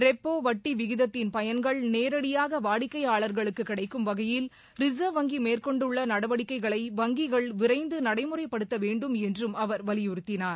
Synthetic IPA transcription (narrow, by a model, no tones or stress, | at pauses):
ɾɛpːoːʋɐʈːiʋɪɣɪðɐt̪ːɪnpɐjɐnɡɐɭneːɾɐɽɪjaːɣɐʋaːɽɪkːɐɪaːɭɐɾɣɐɭɯkːɯkːɪɽɐɪkːɯmʋɐɣɐjɪl | ɾɪsɐːʋɐŋɡimeːrkɔɳɖɯɭːɐnɐɽɐʋɐɽɪkːɐɪɣɐɭɐɪʋɐŋɡiɣɐɭʋɪɾɐɪnd̪ɯnɐɽɐɪmɯrɐɪpːɐɽɯt̪ːɐʋeːɳɖɯmɛndrɯmɐʋɐɾʋɐlɪjʊɾɯt̪ːɪnaːɾ